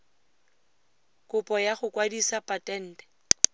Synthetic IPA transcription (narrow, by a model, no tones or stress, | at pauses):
kʼʊpʼɔjaχʊkʼwadisapʼatʼɛn̩ːdɛ̥